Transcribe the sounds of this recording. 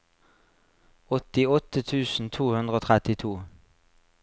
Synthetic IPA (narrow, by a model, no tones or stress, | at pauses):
ɔt̪ɪɔt̪ət̪ʰʉːsn̩t̪ʰuːhʉnd̪ʁəoːt̪ʰʁɛt̪ɪt̪ʰuː